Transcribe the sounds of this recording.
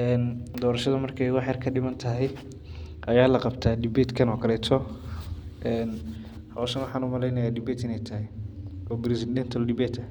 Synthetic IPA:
ʔɛːnd̪ɔːɾɐʃɐðɐmɐrkʰɛjwɑħjɐrkʰɐɖɪmɐnt̪ʰɐɦɛj | ʔɐjaːlɐqɑbt̪ʰaːɖɪbɛt̪kʰɐnɔːkʰɐlɛːt̪ʰɔ | ʔɛːn | hɐwsɐnwɑħɑːnʊmɐlɛjnɐjaːɖɪbɛːt̪ɪnɛjt̪ʰɐɦɪjɔːbɪɾɪsɪdɛnt̪ʰɐlɖɪbɛːt̪ʰɐ

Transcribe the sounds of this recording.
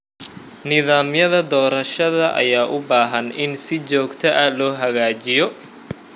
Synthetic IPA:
nɪðaːmjɐðɐd̪ɔːɾɐʃɐðɐʔɐ̰jaːʔʊbaːɦɐnɪnsɪt͡ʃɔːɡt̪ʰɐʔɐlɔːɦɐɣaːt͡ʃɪjɔ

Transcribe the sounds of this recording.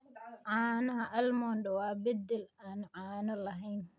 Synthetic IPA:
ʕɑːnɐɦɐʔɐlmɔːnɖɐwɑːbɐd̪ɛlaːnʕɑːnɐlɐɦɛjn

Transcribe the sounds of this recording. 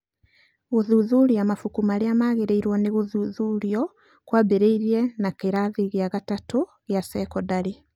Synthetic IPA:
ɣoðuðuɾiamafukumaɾeamaːɣeɾeiɾwɔneɣoðuðuːɾiɔ | kwabeɾeiɾiɛnakeɾaðiɣeaɣatato | ɣeasɛkɔdaɾe

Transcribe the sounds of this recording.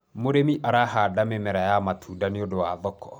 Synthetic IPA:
moɾemiʔaɾaɦadamɛmɛɾajamatʰuːdaneodowaːðɔkɔ

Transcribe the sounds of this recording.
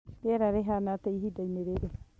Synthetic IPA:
beɾaɾeɦanateiɦidaineɾeɾe

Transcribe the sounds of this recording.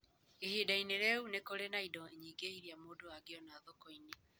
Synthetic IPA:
ihidaineɾɛunekoɾenaidɔeɲiɡeiɾiamoːdoaɡeɔnaðɔkɔine

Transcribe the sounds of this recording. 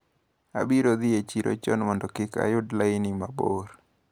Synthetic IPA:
a̰biɾod̪ɪet͡ʃiɾʔo̰t͡ʃɔnmɔndɔkɪka̰jʊdlaɪnimaboɾ

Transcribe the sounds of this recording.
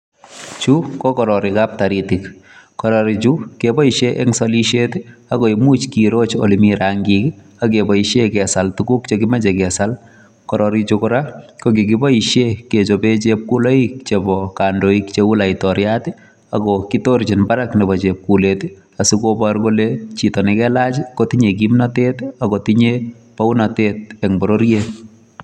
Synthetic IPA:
t͡ʃukɔkɔɾɔɾikap̚taɾitikkɔɾɔɾit͡ʃukebɔiʃeʔɛ̰ŋsɔliʃetiakɔimut͡ʃkiɾot͡ʃo̰limiɾaŋɡik | ak̬ebɔiʃekɛsaltukukt͡ʃekimɛt͡ʃɛkɛsal | kɔɾɔɾit͡ʃukɔɾakok̬ikibɔiʃjeket͡ʃobet͡ʃep̚kuloik̚t͡ʃebɔkandoikt͡ʃewʊlaitɔɾjati | akɔkitoɾt͡ʃinbaɾaknɛbɔt͡ʃep̚kulet | asikobaɾkolet͡ʃitɔnɛkɛlat͡ʃikotiɲek̬imnatetakɔtiɲe | pawunatet̚ɛŋbɔɾoɾjet̚

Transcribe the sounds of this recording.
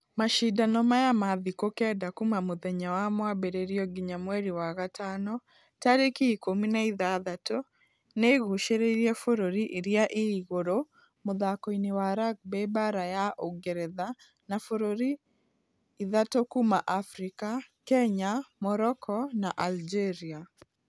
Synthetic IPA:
maʃidanɔmajamaðikokɛdakumamʊðɛɲawamwabeɾeɾiɔɡiɲamwɛɾiwaɣatʰanɔ | taɾekiikominaiðaðato | neɣuʃeɾeɾjɛfoɾoɾiʔiɾiaʔɪːɣoɾo | mʊðakoinewaɾak̚bɛbaɾajaʔoɡeɾɛða | nafoɾoɾiː | ðatokumaʔafɾikakɛɲamɔɾɔkʰɔnaʔald͡ʒeɾia

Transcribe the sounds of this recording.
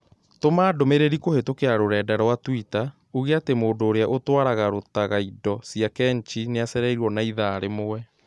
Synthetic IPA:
tomaːdomeɾeɾikohetokeaɾoɾɛːdaɾɔwatwita | uɣeatemoːndoːɾeaʔotwaɾaɣaɾotaɣaidɔsiakɛnt͡ʃineasɛɾɛiɾuɔnaiðaːɾemowɛ

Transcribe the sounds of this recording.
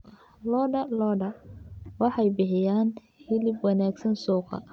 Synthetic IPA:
lɔːɖɐlɔːɖɐwɑħɑjbɪħɪjaːn | hɪlɪbwɑnaːɡsɐnsuːqɑ̰

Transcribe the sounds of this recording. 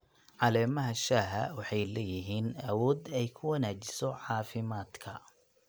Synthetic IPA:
ʕɑlɛːmɐɦɐʃaːɦɐ̰wɑħɑjlɛjɪɦiːnɐwɔːd̪ɛjkʰʊwɑnaːt͡ʃɪsɔʕɑːfɪmaːd̪kʰɐ

